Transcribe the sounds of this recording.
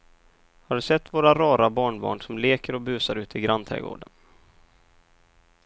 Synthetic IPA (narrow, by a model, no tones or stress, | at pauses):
haɖɵsɛt̪ːvoːɾaɾɑːɾabɑːɳbɑ̰ːɳʂɔmleːkəɾɔbʉ̟ːsaɾʉ̟ːt̪ɪɡɾant̪ʰɾɛ̰ɡo̰ːɖən